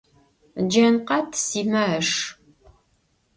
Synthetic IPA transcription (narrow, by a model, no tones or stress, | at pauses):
d͡ʒɐnqɐtʰsiːmɐʂ